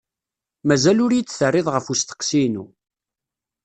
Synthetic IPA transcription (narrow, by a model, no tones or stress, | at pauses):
mæzælʊɾjit͡sːθərːɪðˤʁəfust̪ə̥qːsinṵ